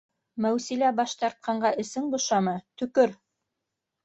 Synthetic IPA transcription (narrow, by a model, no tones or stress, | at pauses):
mæwsilæbɑʃt̪ɑɾt̪̚qɑɴɢɑʔɘ̆sɘŋbŏʃɑmɤt̪ɵ̆kɵɾ